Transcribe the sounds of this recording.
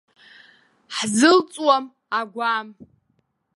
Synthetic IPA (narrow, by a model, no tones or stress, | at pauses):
ħzɨlt͡sʼwam | aɡʷam